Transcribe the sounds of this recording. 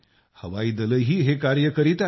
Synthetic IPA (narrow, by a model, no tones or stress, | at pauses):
hə̰ʋaiːd̪ələjɦiːɦekaɾjəkəɾit̪a